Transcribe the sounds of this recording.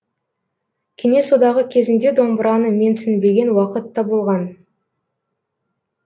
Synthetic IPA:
kʲʰene̞so̞d̪ɑʁəkʲʰe̞zɪnd̪e̞d̪o̞mbəɾɑnəme̞nsɪnbe̞ɡʲe̞nwɑqət̪ːɑbolˠʁɑn

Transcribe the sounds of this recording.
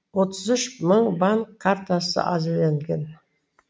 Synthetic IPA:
wo̞t̪ʰəzʏʃməɴbaŋkʰːaɾt̪asə̰ʔɑzɪɾleŋɡʲe̞n

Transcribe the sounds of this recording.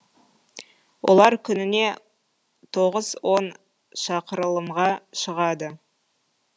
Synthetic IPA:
wʔo̞̰lˠɑɾkʲʰʏnɪne̞ | t̪ʰo̞ʁəzwo̞n | ʃɑqəɾəlˠəmʁɑʃəʁɑd̪ə

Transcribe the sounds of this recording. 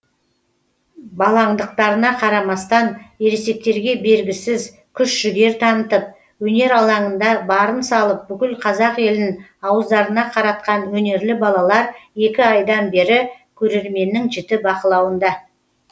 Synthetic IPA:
bɑlˠɑɴd̪əq̚t̪ɑɾənɑqʰɑɾɑmɑst̪ɑne̞ɾese̞k̚t̪e̞ɾɡʲe̞be̞ɾɡʲɪsɪz | kʲʰʏʃʒ̥ʏɡʲe̞ɾt̪ʰɑnət̪əp̚ | wɵne̞ɾɑlˠɑɴənd̪ɑbɑɾənsɑlˠəp̚bʏkʲɪlqʰɑzɑqe̞lɪnɪŋɑwəzd̪ɑɾənɑqʰɑɾɑt̪̚qɑnwɵne̞ɾlɪbɑlˠɑlˠɑɾje̞kʲɪɑjd̪ɑnbe̞ɾɪ | kʲʰɵɾe̞ɾme̞nːɪŋʒɪt̪ɪbɑqəlˠɑwənd̪ɑ

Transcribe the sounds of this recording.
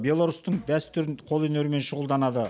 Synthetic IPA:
bʲe̞lˠaɾust̪əɴd̪æst̪ʏɾɪnqʰo̞lˠɵneɾɪme̞nʃʊʁəlˠd̪ɑnɑd̪ə

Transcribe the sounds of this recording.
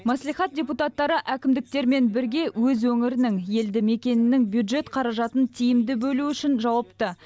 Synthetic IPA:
mæslˠijχɑt̪̚dʲe̞put̪ɑt̪ːɑɾəʔækʲɪmd̪ɪk̚t̪e̞ɾme̞nbɪɾɡʲe̞wɵzwɵŋɪɾɪnɪŋje̞ld̪ɪme̞kʲe̞nɪnɪŋbjud̪ʒe̞t̪qʰɑɾɑʒɑt̪ənt̪ʰijɪmd̪ɪbɵluʏʃɪnʒɑwɑpt̪ə

